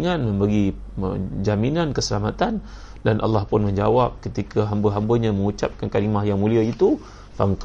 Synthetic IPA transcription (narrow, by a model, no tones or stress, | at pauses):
ŋãnmə̃mbəɡi | ə̰d͡ʒaminankəsəlamat̪an | danʔa̰lːahpʊnmə̃ɲd͡ʒawap̚kət̪ikʰaɦambəɦambəɲãmə̃ŋut͡ʃap̚kankaɾimahjaŋmũliait̪u | fa̰ŋk